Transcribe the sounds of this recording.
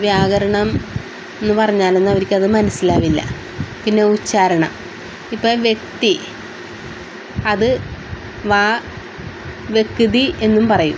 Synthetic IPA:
ʋjaːɣɐɾɐɳɐm | e̞nːɨpɐrɐɲːaːle̞nːɐʋɐɾikʲːɐðɨmɐnɐsːilaːʋilːɐ̰ | pinːeut͡ɕːaːɾɐɳɐ̰m | ipːoːɭʋje̞k̚t̪i | ɐðɨ | ʋaː | ʋje̞kːiðie̞nːumpɐrɐjṵ

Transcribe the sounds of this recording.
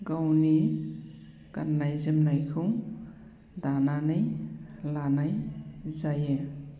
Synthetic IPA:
ɡawni | kanːajzɯmnajkʰɯw | dananɯjlanajzaje

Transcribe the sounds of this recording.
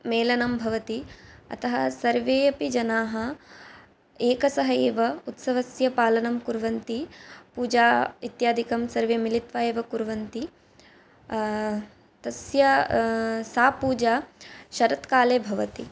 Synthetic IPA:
meːlɐnɐmbʱɐʋɐt̪iɐ̰t̪ɐɦɐsɐɾʋeːɐpid͡ʒɐnaːɦɐ | eːkɐsɐɦɐeːʋɐut̪sɐʋɐsjɐpaːlɐnɐmkuɾʋɐnt̪ipuːd͡ʒaːit̪jaːd̪ʱikɐmsɐɾʋemilit̪ʋaːeːʋɐkuɾʋɐnt̪i | t̪ɐsjɐ | saːpuːd͡ʒaːʃɐɾɐt̪kaːleːbʱɐʋɐt̪i

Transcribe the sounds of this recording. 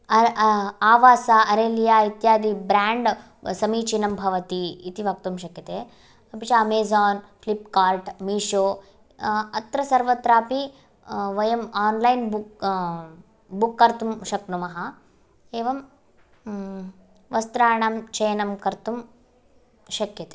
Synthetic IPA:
ɐaːʋaːsaɐɾeːlijaːit̪jaːd̪ibɾaːɳɖ | sɐmiːt͡ʃinɐmbʱɐʋɐt̪iːt̪iʋɐk̚t̪umʃɐkjɐt̪eː | ɐpit͡ʃɐɐmeːzaːnflipkaːɾʈmiːʂoː | ɐt̪ɾɐsɐɾʋɐt̪ɾaːpi | ʋɐjɐmaːnlɐjnbu | bukːɐɾt̪umʃɐknumɐɦɐ | eːʋɐm | ʋɐst̪ɾaːɳaːmt͡ʃɐjnɐmkɐɾt̪um | ʃɐkjɐt̪e̥

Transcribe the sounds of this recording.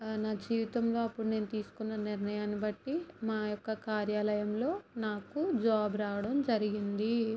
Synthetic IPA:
naːd͡ʒiːʋit̪ɐmlo̞ːɐpːuɽune̞ːnut̪iːsu̥kunːɐniɾnɐjaːnibɐʈːimaːjɔkːɐkaːɾjaːlɐjɐmlo̞ːnaːkud͡ʒaːbɾaːwɐɽɐmd͡ʒɐɾiɡind̪i

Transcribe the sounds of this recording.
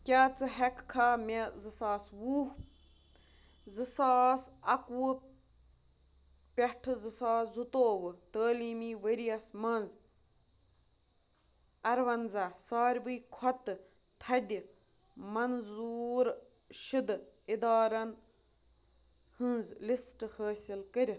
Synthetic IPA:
kʲaːt͡sɨɦɐkkʰaːmezɨsaːswuːh | zɨsaːsɐkwɨ | pʲeʈʰɨzɨsaːszut̪oːʋɨt̪əːliːmiːʋəɾijɐsmɐnz | ɐɾʋɐnzasaːɾʲʋɨːkʰɔt̪ɨ | t̪ʰɐd̪ʲi | mɐnzuːɾ | ʃid̪ɨid̪ɑːɾɐn | hɨ̃nzlisʈɨhəːsʲilkɨɾʲ

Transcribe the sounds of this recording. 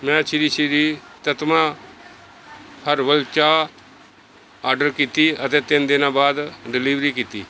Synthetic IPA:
mɛ̃ːt͡ʃɪɾiːʃiɾiːt̪ət̪mãː | hʰəɾʋəlt͡ʃaː | aːɖəɾkiːt̪iːət̪eːt̪ɪnd̪ɪnãːbaːd̪ɖɪliːʋɾiːkiːt̪iː

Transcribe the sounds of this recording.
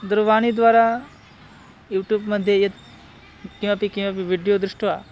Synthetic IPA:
d̪ɾʋaɽ̃id̪ʋaɾa | juːʈjuːbməd̪ʱːjejet̪ | kĩw̃ʋapikĩw̃ʋapiʋiɽijod̪ɾuʂʈʋa

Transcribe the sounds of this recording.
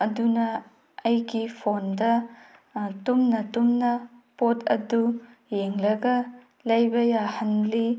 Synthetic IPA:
ɐdunɐː | jɡipʰondɐ | tumnɐtumnɐpotɐ̰du | jeŋlɐɡɐ | lɐjbɐjahɐnli

